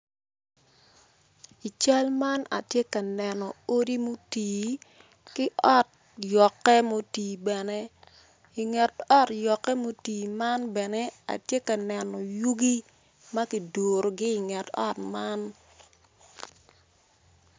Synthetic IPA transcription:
i˨t͡ʃa˦lma˦na̰˨tje˦ka˨nɛ˨nɔ˨o˦di˦mo˦tiː˨ | kɪ˦ɔ˦˨t̚ | jɔ˨kːɛ˦mo˦tiː˨bɛ˨nɛ˦ | ɪ˨ŋɛ˨tɔ˦tjɔ˨kːɛ˦mo˦tiː˨ma˦nbɛ˨nɛ˦a̰˨tje˦ka˨nɛ˨nɔ˨ju˦ɡi˦ | mɐ˦kɪ˨do˨ɾo˨ɡɪ˦ɪ˨ŋɛ˨tɔ̰˦tma˦n

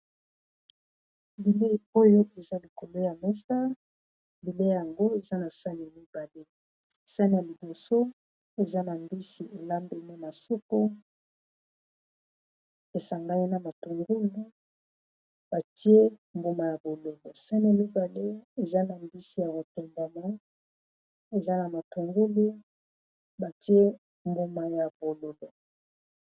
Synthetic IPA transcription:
bi˨le˦˨o˦jo˦ʔe˨za˦li˨ko˨lo˦ja˨mɛ˦sa˦ | bi˨le˦ja˨ŋɡo˦e˨za˦na˨sa˦n˨mi˦ba˨le˦˨ | sa˦ni˨a˨li˨bo˨so˦ | e˨za˦na˨mbi˦si˨e˨la˦mbe˨ne˦na˨su˦ko˦ | e˨sa˨ŋɡa˦ji˦na˨ma˨tu˨ŋɡu˦lu˦ | ba˨ti˦e˦mbo˦ma˨ja˨bo˨lo˨lo˨sa˦ni˦a˨mi˦ba˨le˦e˨za˦na˨mbi˦si˨ja˨bo˨to˨mba˨ma˦ | e˨za˦na˨ma˨tu˨ŋɡu˦lu˦ | ba˨ti˦e˦ | mbo˦ma˨ja˨bo˨lo˨lo˨

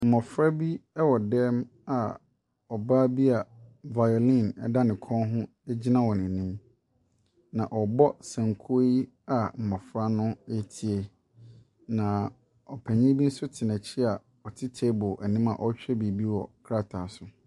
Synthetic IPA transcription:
m̩˨mɔ˨fɾa˦bi˦ɛ˦wɔ˨dɛ˦m | a˨ | ɔ˨baː˦bi˦a˨va˨jo˨lĩ˦˨nɛ̰˨da˦nɪ̃˨kʰɔ̃˦nɦʊ̃˦ | e˦d͡ʑi˦nã˦wɔ˨nɪ̃˨nĩ˦m | nã˨ʔɔ˨bɔ˦sɛ̃˨ŋ˨kʰo˦i˦ | a˨m̩˨mɔ̃˨fɾa˦nʊ̃˦ɛ˦tʰi˨e˨ | nã˨ | ɔ˨pʰæ˨ɲĩ˦bi˦n̩˦sʊ˦tʰɪ˨nɛ̃˨t͡ɕʰɪ˦a˨ | ɔ˨tʰɪ˦tʰe˦bʊ˨ʔæ˨nĩ˦ma̰˨ʔɔ˦t͡ɕᶣɛ˦bi˨bi˦wɔ̰˨kʰɾa˦tʰa˨sʊ˨

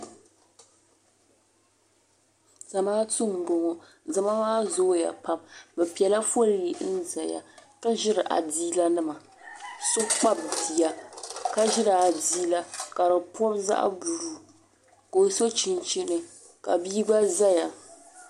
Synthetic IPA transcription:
z̥a˨maː˦tʊ˦m˨bo˨ŋɔ˨ | za˨ma˦maː˦zo˦ja̰˨pa˦mbɛ˨pi˨ɛ˨la˦fo˦lji˦ʔn˦˨za˨ja̰˨ka˦ʒɪ˦ɾɨ˨ʔa̰˨diː˦la˦nɨ˦ma˨ | sʊ˦k͡pa˦bbi˨ja˨ka˦ʒɪ˦ɾa˨a˨diː˦la˦ka˨ɾɨ˨pʊ˦bza̰˦ʔa̰˦˨bu˨ɾuː˨ | ko˨so˦t͡ʃi˨nt͡ʃi˦nɨ˨ | ka̰˨biː˦ɡ͡ba˦za˦ja˨

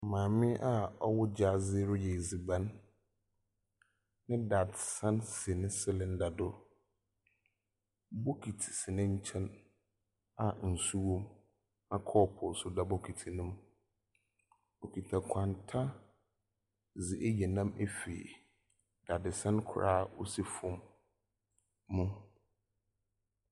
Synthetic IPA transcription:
mãː˨mɪ̃˦ʔa˦ɔ˦wʊ˦d͡ʑa˦˨zɪ˦ɾʊ˦jɛ˨zi˨bã˦n | ɪ̃˦da˨dsã˦nsɪ˨nɪ̃˦sɪ˦lɪ̃˨n̩˦da˨dʊ˦ | bɔ˦kʰi˨tʰi̥˨sɪ˨nɪ̃˦ɲ̩˦t͡ɕʰɛ̃˦n | a˨n̩˨su˦wɔ̃˦m | nã˦kʰɔː˦pʰɔ˨sʊ˦da˦bɔ˦kʰi˨tʰi˨nʊ̃˦m | o˨kʰi˨tʰa˨kʷʰã˨ntʰa˦ | zɪ˨ʔe˦jɛ˨nã˦me˦fḛ˨ | da˨dɪ˨sã˦nkʰʊ̰˨ɾaː˦˨o˦si˦fʊ̃˦m | ũ˦

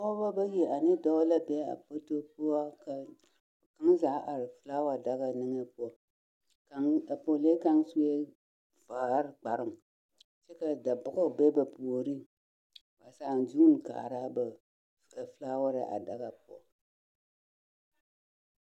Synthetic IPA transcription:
ɔ˦ba˦ba˦ji˨a˨nɨ˦dɔ˦la˦bɛ˦a̰˨po˦to˦po˦a˦ka˦˨ | ka˦ŋza˨˦ʔa˨ɾɪ˨fɨ˨˦la˦wa˨da˦ɣa˨nɨ˦ŋe˦p | ka˦˨po˨le˦ka˦ŋsu˦e˦ | fa˨˦ɾk͡pa˨ɾɨ˦˨m | t͡ʃɛ˦ka˨da˨bʊ˨ɡʊ˦˨bɛ˦ba˨po˨ɾi˦ | ba˨sa˦˨n˨duː˦n˨ka̰˨ɾa˦ba˨ | fɨ˦laː˦wa˦ɾɪ̰˨ʔa̰˨da˨ɣa˨pɔ̰˨

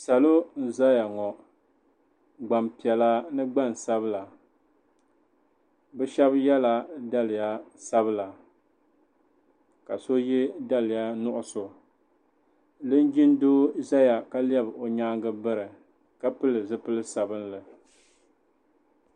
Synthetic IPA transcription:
sa˨lo˦n̩˦za˦ja˨ŋɔ˨ | ɡ͡ba˨mpi˨ɛ˨la˦nɨ˦ɡ͡ba˦˨n˨sa˦bɨ˦la˨ | bɨ˦ʃɛ˦bjɛ˦la˨da˦lɪ˨ja˦sa˦βɨ˦la˨ | ka˨so˦jɛ˦da˦lɪ˨ja˦nʊ˦ʔʊ˦so˨ | dɨ˦n˦d͡ʒi˦n˦doː˦za˦ja˨ka˦li˦ɛ˦bo˨ɲaː˦ŋɡɨ˦bɨ˦ɾɨ˨ | ka˦pɨ˦lɨ˨zɨ˦pɨ˦lɨ˦sa˨bɨ˦nlɨ˨

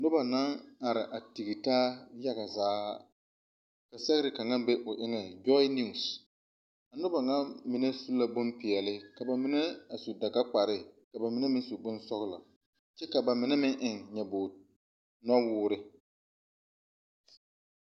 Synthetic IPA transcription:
nʊ˦ba˨na˦ŋa˨ɾɪ˨ʔa˨ti˨ɡi˨taː˦ja˦ɡa˨zaː˨˦ | ka˨sɛ˦ɣɪ˦ɾɪ˨ka˨ŋa˦be˦ʔʊ˨ʔɪ˦ŋɛ˨d͡ʒɔ˦ɪ˦ni˦˨s | a˨nʊ˦ba˨ŋa˦mi˨ne˦su˦la˦bʊ˦mpɪ˨ɛ˨lɪ˦ka˨ba˨mi˦ne˦a˨su˨da˨ka˦k͡pa˨ɾɪ˦ka˨ba˨mɪ˦ne˦mɪ˦nsu˨bʊ˦nsɔ˦ɣɪ˦la̰˨ | t͡ʃɛ˦ka˨ba˨mɪ˨nɛ˦mɪ˦nʔɪ˨ŋɲɛ˨bo˨ | nɔ˦wʊː˦ɾɪ˦

